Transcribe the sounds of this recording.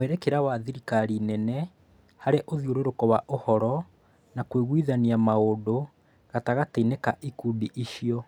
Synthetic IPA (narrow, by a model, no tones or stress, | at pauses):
ɛɾɛkeɾawaðiɾikaɾinɛnɛ | haɾeʔoðjoɾoɾokɔwaʔohɔɾɔ | nakweɣwiːðaniamaodo | ɣataɣateinekaʔikudiʔiʃijɔ